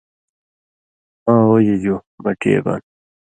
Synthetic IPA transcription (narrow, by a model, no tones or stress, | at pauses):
ãːoːjed͡ʑoː | bɐʈḛːba̰ːn